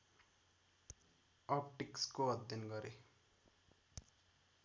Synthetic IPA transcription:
ʌpʈikskoʌd̪jʌnɡʌɾe

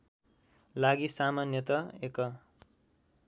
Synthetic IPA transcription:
laɡisamanjʌt̪ʌekʌ

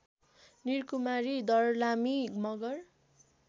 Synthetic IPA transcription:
nirkumaɾid̪ʌrlamimʌɡʌr

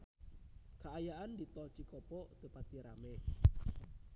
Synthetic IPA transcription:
kaʔajaʔand̪it̪ɔt͡ʃikɔpɔt̪əpat̪iɾa̰me

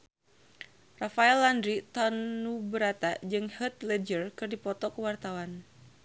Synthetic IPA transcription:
rafaɛlandɾit̪ɔnubəɾat̪ad͡ʒɨŋhət̪lɛd͡ʒərkɨrdipɔt̪ɔkəwart̪awan

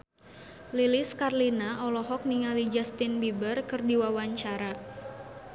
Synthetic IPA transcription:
lilɪskarlinaʔɔlɔɦɔk̚niŋalid͡ʒast̪ɪnbibərkɨrdiwawaɲt͡ʃaɾa

